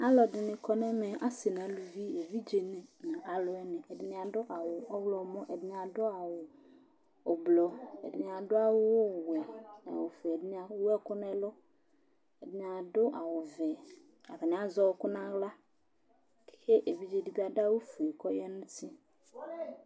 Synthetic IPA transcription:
a˦lɔ˨dɪ˨nɪ̃˨kʰɔ˦nɛ˦mɛ̃˨ʔa˦sɪ˨n˨ã˨lu˨vi˦e˨vi˦d͡ʒe˨nɪ̃˨nã˨ʔa˨lʊ˨ɛ˦nɪ̃˨ʔɛ˨dɪ˦nɪ̃˦a˨dʊ˦ʔa˨wʊ˨ɔ˦wlɔ˨mɔ̃˦ʔɛ˨dɪ˦nɪ˨a˨dʊ˦a˨wʊ˨ | ʊ˨blɔ˨ɛ̰˨dɪ˨nɪ̃˨a˨dʊ˦a˦wʊ˦wʊ˦˨wɛ˨nã˨a˨wʊ˨fʊ˨ɛ˨dɪ˦nɪ˦a˨˦wʊ˦ɛ˦kʊ˦nɛ̃˦lʊ˦ | ɛ˨dɪ˨˦nɪ˨˦a˨dʊ˦ʔa˨wʊ˨vɛ˨ | a̰˨vɪ˨nɪ̃˨˦a˦zɔ˦˨˦kʊ˦nã˦ɣla˦ | ke˦ʔe˨vi˦d͡ʒe˨di˦bi˦a˦da˦wʊ˦fu˨ɛ˨kɔ˦jɛ˦nʊ̃˦tʰɪ˦

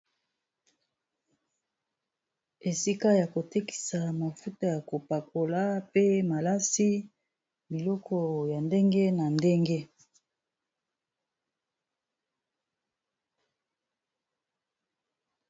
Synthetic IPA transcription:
e˨si˦ka˦ja˨ko˨te˦ki̥˨sa˨ma˨fu˦ta˦ja˨ko˨pa˨ko˨la˦pe˦ma˨la˦si˦ | bi˨lɔ˦kʰɔ˦ja˨nde˦ŋɡe˦na˨nde˦ŋɡe˦

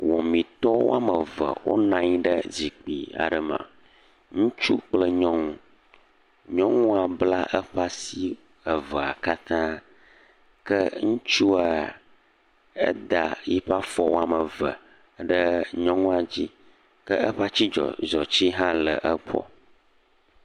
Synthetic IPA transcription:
wɔ˨mĩ˨t̪ɔ˦wo̰˦a˦mə˨və̰˨wo̰˦nã˦ɲ˦ɖə˦zi˨k͡pḭ˨a̰˨ɖə˨mã̰˨ | ŋũ˦t͡ʃu˦k͡plə˦ɲɔ̃˦ŋ˦ | ɲɔ̃˦ŋũ˦a˨bla˦ʔə˦ɸa˦si˦ | ə˨və˨a˨ka˦t̪ã˦ | kə˦ŋũ˦t͡ʃu˦a˨ | ə̰˦d̪a˨ji˦ɸa˦fɔ˦wo˦a˨mə˨və˨ | ɖə˦ɲɔ̃˦ŋũ˦a˨d͡ʑi˦ | kə˦ə˦ɸa˦t͡ɕi˦d͡ʒɔ̰˨zɔ˨t͡ɕi˦ɦã˦lə˨ʔə˦k͡pʰɔ̰˦

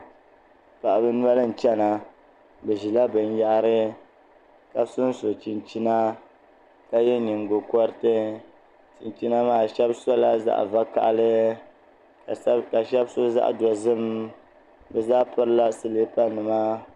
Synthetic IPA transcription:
pa˨ʔa˨bɨ˦nwɛ˦lɨ˦n̩˨t͡ʃɛ˦na˨ | bɛ˨ʒi˨la˦bɨ˨n˦ja˦ʔa˦ɾɨ˦ | ka˦sʊ˦n˦so˨t͡ʃi˨nt͡ʃi˦na˦ | ka˦jɛ˦ɲi˨ŋɡo˨kɔ˦ɾɨ˦tɨ˦ | t͡ʃi˨nt͡ʃi˦na˦maː˨ʃɛ˦bsɔ˦la˦za̰˦ʔva˦ka̰˨ʔlɨ˦˨˦ | ka˨ʃɛ˦bso˦za̰˦ʔdɔ˨zɨ˦m | bɛ˨zaː˦pɨ˦ɾɨ˦la˦sɨ˦le˦pa˦nɨ˨ma˦

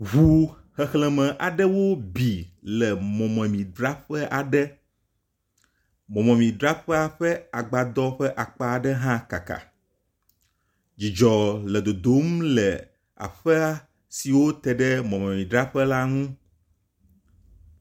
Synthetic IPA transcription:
ɦu˨ | hɛ˨xlɛ˦mɛ̃˨ʔa˨ɖɛ˦wo˦bi˨lɛ˨mɔ̃˨mɛ̃˨mĩ˨ɖɾa˦ɸɛ˦ʔa˨ɖɛ˦ | mɔ̃˨mɛ̃˨mĩ˨ɖɾa˦ɸɛ˦a˨ɸɛ˦a˨ɡ͡ba˨d̪ɔ˦ɸɛ˦ʔa˨k͡pa˦˨ɖɛ˦ɦã˦ka̰˨ka̰˨ | d͡ʑi˨d͡ʒɔ˨lɛ˨d̪o˨d̪o˦m˦lɛ˨ | a̰˨ɸɛ˦a˦ | si˨wo˦t̪ɛ˨ɖɛ˦mɔ̃˨mɛ̃˨mĩ˨ɖɾa˦ɸɛ˦la˦ŋũ˦

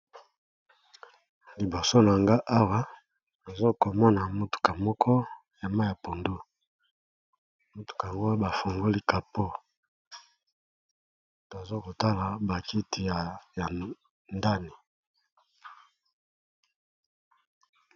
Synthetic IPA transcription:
li˨bo˨so˦na˨ŋɡa˦ʔa˦wa˦ | a˨zo˦ko˨mɔ˦na˨mo˦tu̥˨ka˨mɔ˦kʰɔ˦ | ja˨ma˦ja˨po˨ndu˦˨ | mo˨tu̥˨ka˨a˨ŋɡo˦a˦ba˨fo˨ŋɡo˦li˦ka˨po˦ | u˨ta˨zo˦ko˨ta˦la˨ba˨ki˦ti˨ja˨ja˨ | nda˦ni˨

